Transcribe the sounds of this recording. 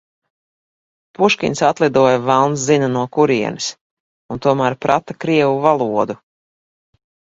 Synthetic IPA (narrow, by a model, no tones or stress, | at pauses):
puʃkʲḭnʲsat̪lˠid̪uɔjavalˠns̬zinɐnuɔkuɾiɛnis | unt̪uɔmæːɾpɾat̪akɾiɛvuvalˠuɔd̪u